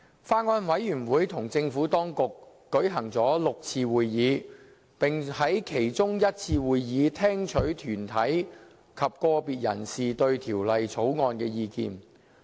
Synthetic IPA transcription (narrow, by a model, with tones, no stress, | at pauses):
faː˥ŋɔː˧nwɐ˨˥jjyː˨˩nwuː˨˥jt̪ʰʊ˨˩ŋt͡sɪ˧ŋfuː˨˥t̪ɔː˥ŋkʊ˨kː | ɵ˨˥ɥɦɐ˨˩ŋt͡sɔː˨˥lʊ˨k̚t͡sʰiː˧wuː˨jːiː˨˧ | pɪ˨˩ŋhɐ˨˥jkʰe˨˩jt͡sʊ˥ŋjɐ˥t̚t͡sʰiː˧wuː˨˧jːiː˨˧t̪ʰɛː˥ŋt͡ʃʰɵ˨˥ɥt̪ʰyː˨˩nt̪ʰɐ˨˥j | kʰɐ˨p̚kɔː˧piː˨t̚jɐ̰˨˩nsiː˨˩t̪ɵ˧ɥt̪ʰiː˨˩wlɐ˨jt͡sʰo˨˥wŋɔː˧nkɛː˧jiː˧kḭː˧n